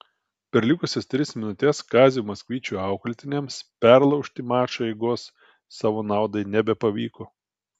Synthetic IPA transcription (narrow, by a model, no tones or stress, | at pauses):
pʲɛɾlʲɪkʊsʲɛst̪ʲɾʲɪsmʲɪnʊt̪ʲɛskɑːzʲɪjumɐsʲkʲʋʲiːt͡ʃʲuːɑˑʊkɐlʲt̪ʲɪnʲɛmspʲæɾlˠɒʊʃʲt̪ʲɪmɑːʃɐɛɪɡoːsː | ɑːʋoːnɑˑʊd̪ɐɪnʲɛbʲɛpɐʋʲiːkoː